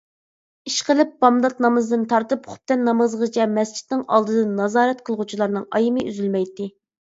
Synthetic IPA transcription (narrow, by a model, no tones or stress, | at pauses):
iʃqəlˠɨp̚bɑmd̪ɑt̪nɑmɨzd̪ɨnt̪ʰɑɾt̪ɨpχʊ̥p̚t̪ɛnːɑmɨzʁət͡ʃʰɛmɛst͡ʃʰi̥t̪nɪŋɑ̰lˠd̪ɨd̪ɨnɑzɑːɾɛt̪qʰəlˠʁut͡ʃʰilˠɑɾnɨŋɑjimɨʔyzylmɛjt̪ːɪ